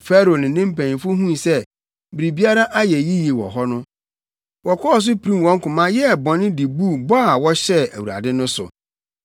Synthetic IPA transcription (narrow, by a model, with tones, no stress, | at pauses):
fɛ˦ɾo˨nɪ̃˨˦nɪ̃˦m̩˦pæ̃˨ñ˨fʊ˦ɦũ˦˨sɛ˦ | bi˨ɾi˨bi˦a˦ɾa˦ʔa˦jɛ˨ji˦ji˨wɔ̰˨ɦɔ˦nʊ̃˦ | wɔ˨kʰɔ˦ɔ˨s̬ʊ˦pʰi˨ɾĩ˦mwɔ̃˨ŋ̩˦kʊ̃˨mã˦jɛ˦˨bɔ̃˨nɪ̃˦di˨bu˦˨bɔ˦a˨wɔ˦ɕɛ˦æ̰˨wu˨ɾa̰˨dɪ˦nʊ̃˦sʊ̰˨